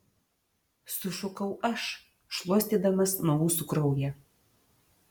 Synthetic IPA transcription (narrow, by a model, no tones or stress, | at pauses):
sʊʃʊkɐʊɐʃ | ʃlˠuɔsʲt̪ʲiːd̪ɐmɐsnɔmuːsʊkɾɐʊjɛ